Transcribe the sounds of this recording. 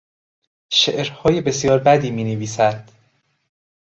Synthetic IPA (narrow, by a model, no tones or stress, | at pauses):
ʃeʔɾhɒːjebe̞sjɒːɾbæd̪iːmiːneviːsæd̪̥